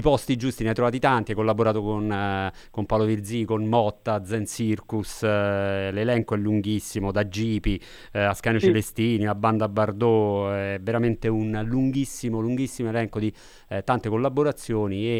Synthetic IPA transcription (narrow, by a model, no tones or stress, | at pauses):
ipɔst̪id͡ʒust̪ineajt̪ːɾovaːt̪̬it̪ant̪iakːolːaboɾaːt̪okon | kompawlovird̪zikonmɔt̪ːad̪zɛnsirkus | lelɛŋkoɛlːuŋɡisːimod̪ad͡ʒiːpi | askanot͡ʃelest̪iːnilabːand̪abːard̪oɛveɾament̪eunluŋɡisːimoluŋɡisːimoelɛŋkod̪i | t̪ant̪ekolːabːoɾat̪sːjoːnie